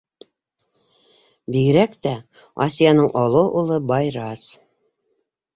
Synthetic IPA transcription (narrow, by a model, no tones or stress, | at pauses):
biɡɘ̆ɾækt̪æ | ɑ̰sijɑnɤɴʔɑlˠɤʔulˠɤbɑjɾɑs